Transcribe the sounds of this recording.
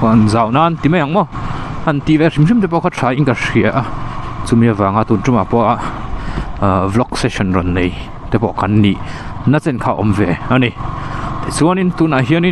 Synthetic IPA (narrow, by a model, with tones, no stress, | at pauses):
ɔ˧˨ʔa˨nza˨wna˧ʔnt̪i˨me˧ja˨ŋmɔ˦˨ɐ˧˨nt̪i˨vɛ˧ʂi˧˨mʂi˦mt̪̬ɛ˧p̬ɔ˧˨kʰa˥tʂʰa˧˦ʔi˦nka˧ʂi˧˨a˨ʔat͡su˧mi˧avaː˨ŋa˧t̪u˨nʈ͡ʂu˧ma˨pɔ˧ʔa˧ʔ | vlɔ˧˦ksɛʃɔ˨nrɔ˨nːe˨j | t̪ɛ˧pɔ˧˨ka˨nːi˧˨ʔ | na˧t͡sɛ˨nkʰa˧ʔɔ̰˧mvɛ˧a˧ni˧t̪ɛ˨t͡su˦a˦ni˨nt̪u˧˨na˨ɦi˧˥˦ni